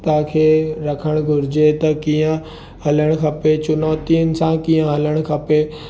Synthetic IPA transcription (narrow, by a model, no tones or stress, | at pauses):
t̪akʰeːɾɐkʰəɽ̃ɡʱʊɾɪd͡ʑet̪ɐkiːə̃ | hɐləɽ̃kʰɐpet͡ɕʊnɔːt̪iənɪ̆sãkĩːə̃ɦɐləɽ̃kʰɐpe